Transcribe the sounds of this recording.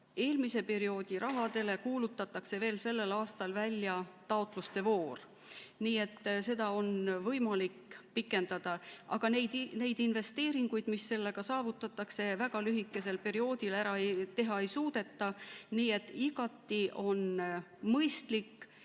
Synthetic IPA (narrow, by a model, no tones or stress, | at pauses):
e̞ːlmise̞pe̞ɾio̞ːd̪̥iɾʔɑɦɑd̪e̞le̞kuːlut̪ːˑɑt̪ːˑɑkse̞ve̞ːlse̞lːe̞lɑːst̪ɑlvælʲːjɑt̪ɑot̪ˑlust̪e̞vo̞ːr | niːe̞t̪ːse̞d̪̥ɑo̞nvɤjmɑlikːpikːˑe̞nd̪̥ɑd̪̥ɑʔɑ̰ɡ̥ɑnejd̪ne̞jd̪inve̞st̪e̞ːɾiŋɡ̥ujd̪̥misːe̞lːe̞ɡ̥ɑsɑːvut̪ːˑɑt̪ːˑɑkse̞væɡ̥ɑlyɦikːˑe̞se̞lpe̞ɾio̞ːd̪̥ilæɾɑejt̪e̞ɦɑe̞jsuːd̪̥e̞t̪ːɑniːe̞t̪ːˑiɡ̥ɑt̪ːiʔo̞nmɤjst̪likː